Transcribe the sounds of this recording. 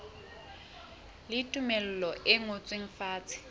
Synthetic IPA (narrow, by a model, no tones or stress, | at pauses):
lɪtʼumel̩lɔʔɪŋot͡sʼweŋ̩faːt͡sʼɪ̥